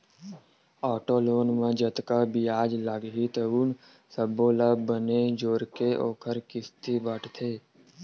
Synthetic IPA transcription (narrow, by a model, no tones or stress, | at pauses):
ɔːʈoːloːnmẽd͡ʒət̪kabʱiaːd͡ʒləɡɦit̪əuːn | səboːlabəned͡ʒoːɾkeoːkʰəɾkɪst̪ʰibəʈʰt̪ʰeː